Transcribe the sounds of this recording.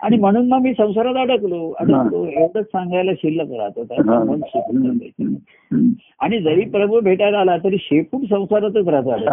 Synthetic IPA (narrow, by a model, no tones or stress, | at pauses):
a̰ɽ̃im̤əɽ̃uːnmaɡmiːsə̃w̃saɾat̪əɽəkloə̰ɽəkloeʋɽət͡ssãŋɡajlaɕilːəkəɾa̰t̪ot̪at͡samənɕeputəd͡za̰jte | aɽ̃id͡zəɾiːpɾəbəbʱeʈaɾalat̪əɾiːɕepuːɳsə̃w̃saɾat̪okəɾad͡z̪alə